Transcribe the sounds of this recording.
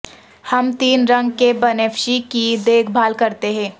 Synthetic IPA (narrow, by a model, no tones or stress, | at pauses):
hɐmt̪iːnɾɐ̃ŋɡkebɐneːfʃikid̪eːkʰbʱaːlkɐɾt̪eɦɛ̃ː